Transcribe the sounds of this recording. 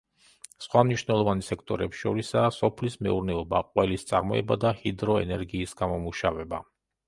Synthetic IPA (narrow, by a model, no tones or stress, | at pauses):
sχwamniʃnɛlˠɔvansɛkʰt̪ʼɔɾɛpsʃɔɾisaːsɔpʰlismɛuɾnɛɔbaqʼwɛlist̪sʼaɾmɔɛbad̪ahid̪ɾɔɛnɛɾɡiːsɡ̥amɔmuʃavɛba